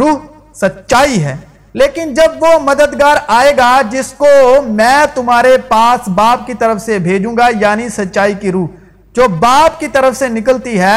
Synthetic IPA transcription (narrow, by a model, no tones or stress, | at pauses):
ɾuːɦ | sɐtːʃaːiɦɛː | leːkɪnd͡ʒɐbʋomɐd̪əd̪ɡaːɾaːeːɡad͡ʒɪskomɛ̃ːt̪ʊmaːɾepaːsbaːp̚kit̪ɐɾəfsebʱeːd͡ʒũːŋɡajaːnisɐtːʃaːikiɾuːɦ | d͡ʒoːbaːpkit̪ɐɾəfsenɪkəlt̪iɦɛː